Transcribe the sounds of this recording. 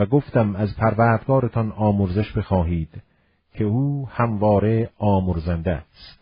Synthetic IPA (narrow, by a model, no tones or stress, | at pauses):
æɡoft̪æmæzpʰæɾvæːɾd̪ɡɒːɾet̪ʰɒnɒːmoɾzeʃbexɒːɦiːd̪̥ | cʰe̞uːhæmvɒːɾe̞ɒːmoɾzænd̪æst̪